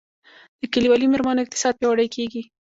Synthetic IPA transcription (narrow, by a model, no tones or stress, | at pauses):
d̪̥əkaliwɑlimeɾmɑnoɪq̚t̪ɪ̥sɑd̪̚pjɑwaɽəjkʰeɡi